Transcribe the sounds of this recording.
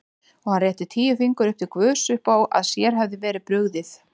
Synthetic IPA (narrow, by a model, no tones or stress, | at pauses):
ɔɣhanrɛːht̪ɪʏt̪ʰiːjʏfiŋkʏɾʏhp̚t̪ɪkvœːsʏhpaːwʔa̰ðsjɛɾ̥ɦɛvðɪvɛːɾɪpɾʏɣðɪθ